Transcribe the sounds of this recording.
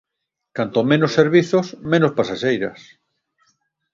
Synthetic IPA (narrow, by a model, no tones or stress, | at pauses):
kant̪omẽnosːeɾβ̞iθosmẽnospasaʃejɾɐs